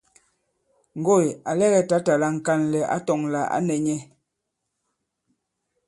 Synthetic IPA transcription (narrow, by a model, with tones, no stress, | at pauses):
ŋ̩˨ɡo˦˨ja˨lɛ˦˨ɣɛ˨ta˨˦ta˨la˦ŋ̩˨ka˦nlɛ˨a̰˦tɔ˨ŋla˨ʔa̰˦nɛ˨ɲɛ˦